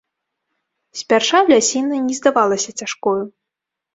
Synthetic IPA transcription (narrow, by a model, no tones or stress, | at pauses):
sʲpʲarʂavlʲasʲinɐnʲɛzd̪avalˠɐsʲɐt͡sʲaʂkɔju